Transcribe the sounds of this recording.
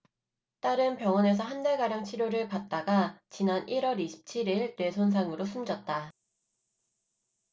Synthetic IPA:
t͈aɾɯnpjʌŋʌne̞s̬ʰʌɦandaɭɡaɾjaŋt͡ɕʰiɾjoɾɯɭpat̚t͈aɡat͡ɕinanʔiɾwʌɾiɕʰi̥p̚t͡ɕʰiɾiɭtwe̞sʰons̬ʰaŋɯɾosʰumd͡ʑʌt̚t͈a

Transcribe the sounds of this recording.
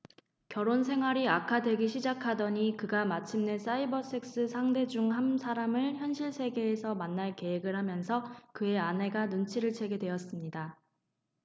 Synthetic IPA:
kjʌɾons̬ʰe̞ŋɦwaɾiakʰadwe̞ɡiɕʰid͡ʑakʰadʌɲikɯɡamat͡ɕʰimne̞s͈aibʌs͈ʰe̞k̚s͈ɯsʰaŋde̞d͡ʑuŋɦamsʰaɾamɯɭçjʌnɕʰiɭsʰe̞ɡe̞ːsʰʌmanːaɭke̞ɦeɡɯɭhamjʌnsʰʌkɯe̞anɦe̞ɡanunt͡ɕʰiɾɯɭt͡ɕʰe̞ɡe̞dwe̞ʌs͈ɯmɲida

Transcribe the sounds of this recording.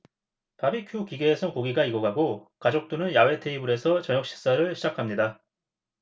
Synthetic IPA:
pabikʰjukiɡeːsʰʌnkoɡiɡaiɡʌɡaɡokad͡ʑok̚t͈onɯnjawe̞tʰe̞ibuɾe̞sʰʌt͡ɕʌɲjʌk̚ɕ͈ʰi̥s͈aɾɯɭɕʰid͡ʑakʰamɲida

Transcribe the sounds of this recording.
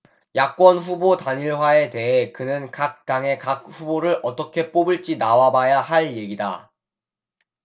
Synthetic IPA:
jak̚k͈wʌnɸubotaɲiɭɦwae̞te̞ɦe̞kɯnɯnkak̚t͈aŋe̞kak̚ɸuboɾɯɾʔʌt͈ʌkʰe̞p͈obɯɭt͡ɕ͈inawabajahaɭje̞ɡida̰

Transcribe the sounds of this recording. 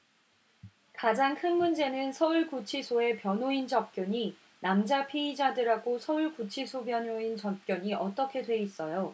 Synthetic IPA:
kad͡ʑaŋkʰɯnmund͡ʑe̞nɯnsʰʌuɭkut͡ɕʰisʰoe̞pjʌnoind͡ʑʌp̚k͈jʌɲi | namd͡ʑapʰiid͡ʑadɯɾɦaɡosʰʌuɭkut͡ɕʰisʰobjʌnoint͡ɕʌp̚k͈jʌɲiʔʌt͈ʌkʰe̞dwe̞is͈ʌjo

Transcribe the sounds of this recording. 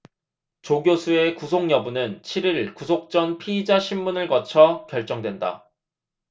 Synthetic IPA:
t͡ɕoɡjosʰue̞kusʰoŋjʌbunɯnt͡ɕʰiɾiɭkusʰok̚t͡ɕ͈ʌnpʰiːd͡ʑaɕʰimːunɯɭkʌt͡ɕʰʌkjʌɭt͡ɕ͈ʌŋdwe̞nda̰

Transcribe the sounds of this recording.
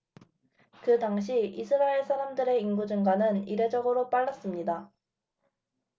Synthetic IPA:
kɯtaŋɕ̬ʰiisʰɯɾaeɭsʰaɾamdɯɾe̞inɡud͡ʑɯŋɡwanɯniɾe̞d͡ʑʌɡɯɾop͈aɭːʌs͈ɯmɲida

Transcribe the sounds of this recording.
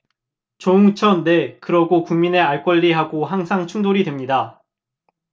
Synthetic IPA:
t͡ɕouŋt͡ɕʰʌnːe̞kɯɾʌɡokuŋmine̞aɭk͈wʌʎːiɦaɡoɦaŋsʰaŋt͡ɕʰuŋdoɾidwe̞mɲida

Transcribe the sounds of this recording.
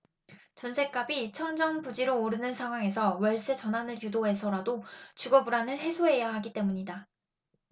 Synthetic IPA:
t͡ɕʌnsʰe̞k͈̚abit͡ɕʰʌnd͡ʑʌŋpud͡ʑiɾoːɾɯnɯnsʰaŋɦwaŋe̞sʰʌwʌɭs͈e̞t͡ɕʌnɦanɯɭjudoɦe̞sʰʌɾadot͡ɕuɡʌbuɾanɯɭɦe̞sʰoɦe̞jaɦaɡit͈e̞muɲida

